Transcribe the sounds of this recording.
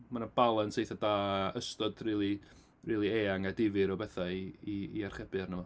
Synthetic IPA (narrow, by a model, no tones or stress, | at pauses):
manənbalˠənsejθadaːəstɔdriːlˠi | riːlˠieːaŋadɪvɨɾɔbɛθaiiːarχɛbɨarnəmɔ